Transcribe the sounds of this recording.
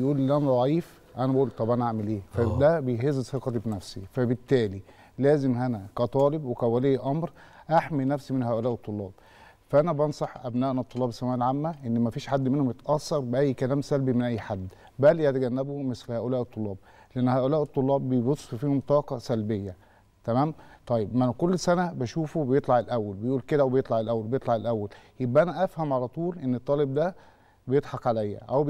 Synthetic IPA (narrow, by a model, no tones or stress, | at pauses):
jʔuːllʔænæd̪ˤɑʕiːf | ʔænæbæʔuːlt̪ˤɑbʔænæʔaʕmelʔeːfæd̪æbejɦezzθeqɑt̪ibnæfsifæbɪt̪ːæːli | læːzemhænækæt̪ˤɑːlebwekæwæleːʔɑmɾ | ʔaħminæfsimenhæːʔolæːʔet̪ˤːolːɑ̰ːb̥ | fæʔænæbɑnsˤɑħʔæbnæːʔnæt̪ˤːolːɑːbesːæmæːʔælʕamːæʔenːmæfiːʃħad̪ːmenhomjet̪ʔɑsːɑɾˤbeʔæjːkælæːmsælbimenʔæjːħad̪ː | bælihæt̪æɡænːæbomeslhæːʔolæːʔet̪ˤːolːɑːb̚ | leʔenːhæːʔolæːʔet̪ˤːolːɑːbːejebosˤːffiːhomt̪ˤɑːqɑsælbejːæ | t̪æmæːmt̪ˤɑjːebmænkolːsænæbæʃuːfubejet̪ˤlɑʕelʔæwːælbejʔuːlked̪æwebejet̪ˤlɑʕelʔæwːælbejet̪ˤlɑʕelʔæwːæljebʔæʔænæʔæfhæmʕalæt̪ˤuːlʔenːet̪ˤːɑːlebd̪æ | bejed̪ˤħɑqʕalæjːæ̰ʔæw